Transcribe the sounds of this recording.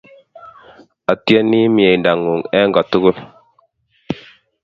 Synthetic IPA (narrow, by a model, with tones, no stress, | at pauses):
a˨te˦ni˦mi˨e˨nda˨ŋu˨ŋɛ˦ŋɡɔ˨tu˦ɡu˦l